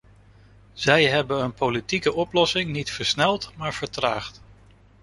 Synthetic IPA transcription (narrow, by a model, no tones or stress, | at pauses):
z̥ɛjɦɛbənənpolitikəʔɔplɔsɪŋnitfəɹsnɛlˠtmaːɹv̥əɹtraːχt